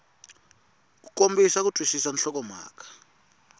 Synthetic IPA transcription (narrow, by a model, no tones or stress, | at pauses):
k̬u̥kombisak̬utʼwisisanɬɔk̬ɔma̰ːk̬ʰʼḁ